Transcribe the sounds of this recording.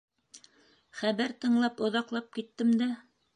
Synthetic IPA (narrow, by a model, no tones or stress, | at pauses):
χæβæɾt̪ɤ̆ɴlˠɑpŏðɑqlˠɑp̚kit̪ːɘmd̪æ